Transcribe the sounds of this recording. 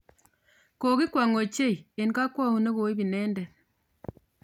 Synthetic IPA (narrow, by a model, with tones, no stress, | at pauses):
ko˨ki˦kwa˨ŋo˨t͡ʃe˦˨i˨e˨nka˦kwa˦hu˨ne˦ko˨i˦bi˨nɛ˦ndɛ˨